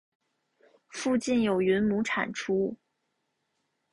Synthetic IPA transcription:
fu˥˧t͡ɕi˥˩njo˨˩ʊɥy˧˥nmu˧˥ʈ͡ʂʰa̰˨˩nʈ͡ʂʰu˥

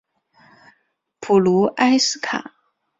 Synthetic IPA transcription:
pʰu˨˩lu˧˥ʔa˥ɪsɹ̩˥kʰa̰˨˩˦

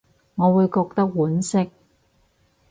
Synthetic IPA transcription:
ŋɔː˨˧wuː˨˧jkɔː˧k̚t̪ɐ˥k̚wuː˨˥nsɪ˥k̚

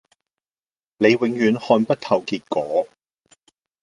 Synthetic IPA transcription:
ne˨˧jwɪ˨˥ŋjyː˨˧nhɔː˧npɐ˥t̚t̪ʰɐ˨˩wkiː˧t̚kɔː˨˥

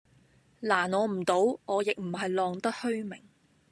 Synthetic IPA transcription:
laː˨˩nɔː˨˧m̩˨˩t̪o˨˥wŋɔː˨˧jɪ˨k̚m̩˨˩ɦɐ˨jlɔː˨ŋt̪ɐ˥t̚hɵ˥ɥmɪ˨˩ŋ

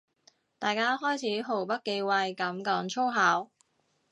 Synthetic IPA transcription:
t̪aː˨jkaː˥ɦɔː˥jt͡sʰiː˨˥ɦo˨˩wpɐ˥t̚ke˧jwɐ˧jkɐ˨˥mkɔː˨˥ŋt͡ʃʰo˥wɦaː˨˥w

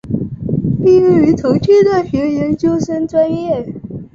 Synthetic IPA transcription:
pi˥˧ɻ̩˥˩y˧˥t̪ʰo˧˥ʊt͡ɕʰɛ˥d̪ə˨˩ɕɛ˧˥jɛ˧˥nt͡ɕjo˥ʊʂə˥nʈ͡ʂwa˥njɛ˥˩

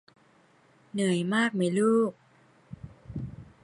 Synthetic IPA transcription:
nɯ˨˩˦əjmaː˥˩k̚ma˨˩˦jluː˥˩k̚

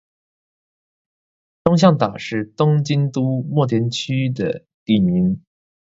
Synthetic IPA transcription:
t̪ʊ˥ŋɕ̬jɑ˥˩ŋt̪a˨˩ʂɻ̩˥˩t̪ʊ˥ŋt͡ɕi˥nt̪u˥mwɔ˥˩t̪ʰjɛ˧˥nt͡ɕʰy˥d̪ə̰˨˩ | t̪i˥˩ni˧˥n

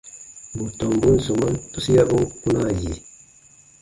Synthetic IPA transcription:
bu˨tɔ˨mbu˦n̩˨so˨ma˦ntu˦si˦ja˦bu˦pu˦na˦˨ji˨

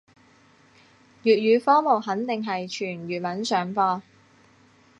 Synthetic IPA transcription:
jyː˨t̚ɥyː˨˧fɔː˥mo˨˩wɦɐ˨˥nt̪ɪ˨ŋɦɐ˨jt͡ʃʰyː˨˩nɥyː˨t̚mɐ˨˥nsœː˨˥ŋfɔː˧

